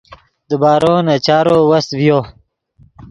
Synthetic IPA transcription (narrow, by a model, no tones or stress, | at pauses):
d̪əbaːɾõːnɐt͡ɕaːɾowɐst̪vijo